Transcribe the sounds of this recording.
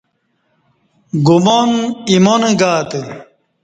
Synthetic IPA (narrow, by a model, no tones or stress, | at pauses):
ɡumonimoneɡaːt̪e